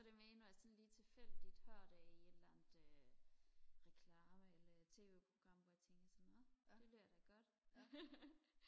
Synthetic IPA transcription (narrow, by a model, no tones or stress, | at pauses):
sɒɾ̥emeːnɒjasɒ̽nliːt͡sʰe̝lfel̰d̥id̥hɶɐ̰d̥ɛie̝d̥lænəð̥ˠø | ʁɛkʰlɑːməelɐt͡sʰe̝̰ːʋe̝ːpʰʁo̝ɡ̥ʁɑ̈m̰ʋɒjat͡sʰeŋɡ̥ɐsɒnnɔ̥e̝b̥leɐd̥æɡ̥ɒ̽d̥